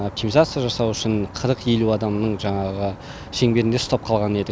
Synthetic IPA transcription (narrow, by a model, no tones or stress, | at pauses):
op̚t̪imizat̪sɨjaʒɑsɑwʏʃɪnqʰəɾəqe̞luɑd̪ɑmnəɴʒɑɴɑʁə | ʃe̞ŋbe̞ɾɪnd̪e̞st̪ɑp̚qʰɑlˠʁɑne̞d̪ɪ